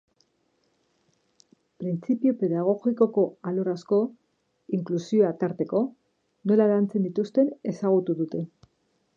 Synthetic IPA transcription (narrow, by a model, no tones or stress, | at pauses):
pɾint͡sipiope̞ðaɣ̞o̞ɣiko̞ko̞aloɾasko̞ | iŋklusio̞at̪aɾt̪e̞ko̞ | no̞laɾant͡se̞nd̪it̪ust̪e̞ne̞saɣ̞ut̪uðut̪e̞